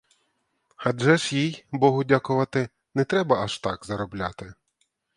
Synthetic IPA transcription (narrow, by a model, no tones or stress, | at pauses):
hɐd͡ʒɛʃjijbɔɦʊdʲakʊʋɐt̪ɪ | nɛt̪ɾɛbɐɐʃt̪ɑɡzɐɾɔblʲat̪ɪ